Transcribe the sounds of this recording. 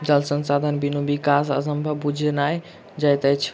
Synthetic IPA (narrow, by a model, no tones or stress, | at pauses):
d͡ʒəlsənsad̪ʱənbinubikasa̰səmbʱəbud͡ʒʱnaj | d͡ʒajt̪əjt͡ʃʰ